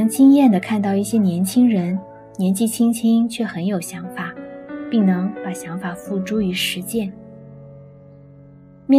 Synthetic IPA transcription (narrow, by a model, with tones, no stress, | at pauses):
ŋt͡ɕi˥ŋjɛ˥˩nd̪ə˩kʰa˥˧nt̪̬ɑ˥˧ʊi˥˩ɕjɛ˥njɛ˧˥nt͡ɕʰi˥ŋɻə˧˥n | njɛ˧˥nt͡ɕi˥˩t͡ɕʰi˥ŋt͡ɕʰi˥ŋt͡ɕʰɥɛ˥˩xə˧˥njo˨˩ʊɕjɑ˧˥ŋfa˨˩˦pi˥˩ŋnɤ˧˥ŋpa˨˩ɕjɑ˧˥ŋfa˨˩fu˥˩ʈ͡ʂu˥y˧˥ʂɻ̩˧˥t͡ɕjɛ˥˩n | mɛ˥